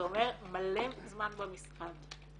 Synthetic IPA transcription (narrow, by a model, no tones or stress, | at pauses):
omemɐlːeːmzmaːnbɐmiskʰan